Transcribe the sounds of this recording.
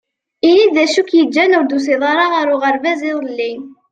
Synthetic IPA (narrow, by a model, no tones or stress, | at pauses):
inid̪ðæʃukjəd͡ʒːænuɾd̪us̬iðˤɑɾˤɑʁaɾʊʁəɾvæziðˤlːin